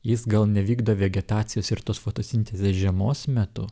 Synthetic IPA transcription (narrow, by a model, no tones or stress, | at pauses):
jɪsɡɐlˠnʲɛʋʲiːɡd̪oːʋʲɛɡʲɛt̪ɑːt̪sʲɪjoːsɪɾt̪oːsfoːt̪oːsʲɪnʲt̪ʲezʲeːsʒʲɛmoːsmʲɛt̪ʊ